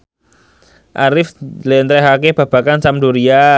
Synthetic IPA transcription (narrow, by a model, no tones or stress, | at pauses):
ʔaɾɪflent̪ɾeɦakeb̥a̤b̥a̤kansamduɾia